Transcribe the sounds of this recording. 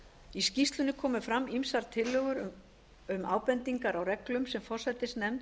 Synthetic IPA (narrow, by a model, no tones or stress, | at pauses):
iscist̪lʏnːɪkʰɔːmʏfɾamːimsaɾt̪ʰɪlːœɣʏɾ | ʏma̰ːwpɛnt̪iŋkaɾawrɛklʏmsɛmfɔr̥sɛt̪ɪst̪nɛmt̪